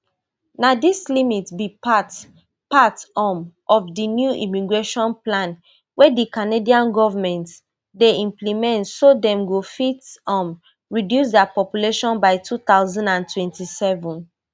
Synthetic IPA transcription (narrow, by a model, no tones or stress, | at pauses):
nadislimitsbipat | patɔmʔɔfdinjuʔḭmiɡɹeʃɔ̃nplãn | wʔɛdikanediãnɡɔvamɛ̃nt | deĩmplimɛ̃ntsodɛ̃mɡofitɔ̃m | ɹidjusdɛapɔpjuleʃɔ̃nbaɪtʰut̪aʊzãndãntʰwɛ̃ntisɛvɔ̃n